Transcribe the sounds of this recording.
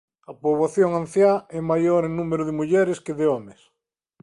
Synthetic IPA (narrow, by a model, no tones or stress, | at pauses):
ɐpoβaθjoŋãn̟θjaɛmajoɾẽŋnumeɾʊðɪmuʎɛɾɪskɪðɪomes